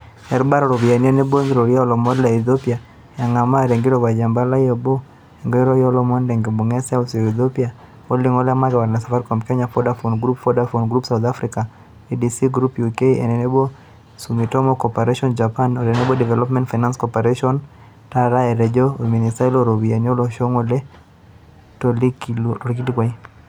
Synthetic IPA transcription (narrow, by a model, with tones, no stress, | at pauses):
ɛ˨ɾba˦ɾɔɾo˨bi˨a˨niɔnɛ˦bo˦nɾo˨ɾi˦a˦ɔlɔ˨mɔ˦dla˨iθopia | ja˨ŋa˨ma˦ɾɛ˨ŋɡi˦ɾɔba˨d͡ʒa˨mba˦la˦jɔbɔ˦ | ɛ˨ŋɡɔ˦ɛ˦ɾɔ˦jɔ˦lɔmɔ˦ndɛ˨ŋɡi˨bo˨ŋɛ˦sa˦si˨ɔ˨i˨θopia | o˦li˦ŋɔ˦la˦ma˦ɡɛ˨wa˨ɾna˨safa˦ɾkɔmkɛ˦ɲafɔdafonɡɾu˦pfɔdafonɡɾu˦psa˨ut̪afɾika | idisiɡɾupjukeḛ˨nɛnɛbɔ˦ | sumi˨tɔ˦mɔkɔpɛɾeʃɔnd͡ʒapanoɾɛ˨nɛbɔdɛ˨vɛlɔ˦pmɛ̃˦ntfa˨jnã˦nskɔpɛɾeʃɔn | taɾaɛɾɛd͡ʒɔmi˨ni˨sta˦i˦loɾo˨bi˨a˨ɲɔ˦lɔʃoŋolɛ˦ | tɔliklɔlki˦tikwa˨i